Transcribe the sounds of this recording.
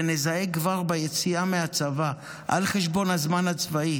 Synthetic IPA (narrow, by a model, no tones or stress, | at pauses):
enezaekːvaʁbajet͡siamehat͡sava | ʔa̰lχe̞ʃbo̞nhazmanhat͡svai